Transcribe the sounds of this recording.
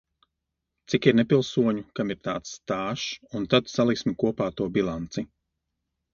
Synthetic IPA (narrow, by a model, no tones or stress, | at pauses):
t̪sikiɾnɛpilˠsuɔɲukamiɾt̪aːt̪sːt̪aːʃunt̪at̪salˠiksmikuɔpaːt̪uɔbilˠant̪si